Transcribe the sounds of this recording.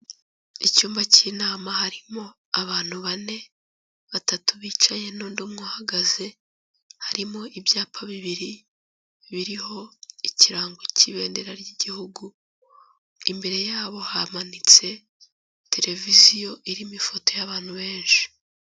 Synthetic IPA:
icuːmbaciːnaːmahaɾimo̞ | aβaːn̥huβane̞ | βatatuβiːt͡ʃaɲe̞nondomŋohaɡaze̞ | haɾimo̞ʔibjaːpʰaβiβiɾi | βiɾiho̞iciɾaːŋɡociβe̞ːndeɾaɾɟiɟihuɡu | imbe̞ɾe̞jaːβo̞hamanit͡se̞ | te̞ɾe̞vizijo̞ʔiɾimifo̞to̞jaβaːn̥huβe̞ːnʃi̥

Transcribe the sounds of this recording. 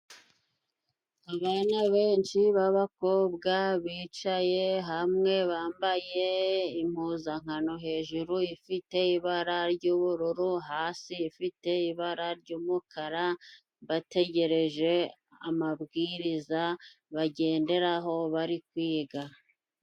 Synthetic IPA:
aβanaβe̞ːnʃiβaβako̞ːbɡaβiːt͡ʃaje̞ɦamŋe̞βaːmbaje̞im̥huːzaŋ̥hano̞ɦe̞ːʒuɾuifite̞iβaɾaɾɟuːβuɾuɾuɦaːsiːfite̞iβaɾaɾɟuːmukʰaɾa | βate̞ɟe̞ɾe̞ʒe̞ | amabɡiːɾiza | βaɟe̞ːnde̞ɾaɦo̞βaɾikwiːɡa

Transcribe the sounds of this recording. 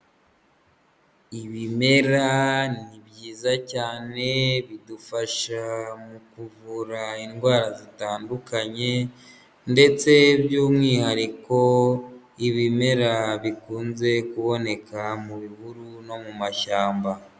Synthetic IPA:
iβime̞ɾanibɟiːzacaːne̞βidufaʃamukuvuɾainɡwaːɾazitaːndukaɲe̞ | nde̞t͡se̞bjuːmŋihaɾiko̞ | iβime̞ɾaβikuːnze̞kuβo̞ne̞kamuβiβuɾuno̞mumaʃaːmba

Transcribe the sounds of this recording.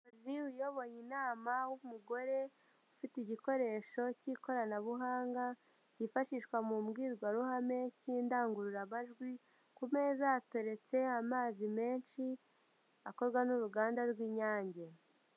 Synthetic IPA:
uziwujo̞βo̞ɲinaːmawumuɡo̞ɾe̞ | ufitiɟiko̞ɾe̞ːʃo̞ciːko̞ɾanaβuɦaːŋɡa | cifaʃiʃkwamumɡiːɾɡwaɾuɦame̞ciːndaːŋɡuɾuɾamaʒɡwi | kume̞ːzaːto̞ɾe̞t͡se̞amaːzime̞ːnʃi | ako̞zɡwanuɾuɡaːndaɾɡwiːɲaːɲɟe̞

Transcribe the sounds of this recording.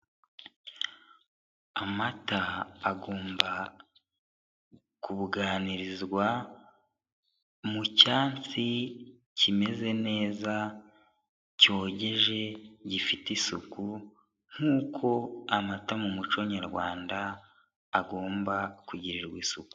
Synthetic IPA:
amataːɡo̞ːmba | kuβuɡaːniɾizɡwa | mucaːnt͡si | cime̞ze̞ne̞ːza | co̞ːɟe̞ʒe̞ɟifitisuku | ŋ̥huːkʰo̞amatamumut͡ʃo̞ɲaɾɡwaːndaː | ɡo̞ːmbakuɟiɾiɾɡwiːsuku̥

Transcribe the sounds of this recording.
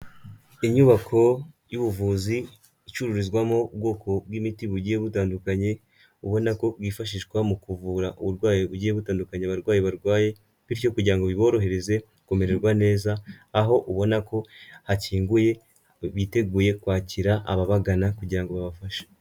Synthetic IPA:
iɲuβakʰo̞ | juβuvuːziː | t͡ʃuɾuɾizɡwamo̞ub̚ɡo̞kʰo̞bɡimitiβuɟijeβutaːndukaɲe̞ | uβo̞nako̞bɡwiːfaʃ̬iʃɡwamukuvuːɾaʔuβuɾɡwaːjeβuɟieβutaːndukaɲeβaɾɡwaːjeβaɾɡwaːje̞ | βiɾco̞kuɟiɾaŋɡo̞βiβo̞ːɾo̞ɦe̞ɾe̞ze̞ | kome̞ɾe̞ɾɡwane̞ːzaːɦo̞ʔuβo̞nako̞haciːŋɡuje̞ | βite̞ɡuːje̞kwaːciɾaa̰βaβaɡanakuɟiɾaŋɡo̞βaβafaʃḁ

